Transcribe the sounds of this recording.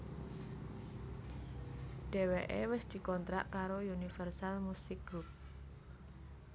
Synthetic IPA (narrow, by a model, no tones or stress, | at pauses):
ɖ̥e̤weʔewɪsd̪̥i̤kɔnt̪ɾa̰ʔkaɾojunifɛrsalmusɪkɡɾup̚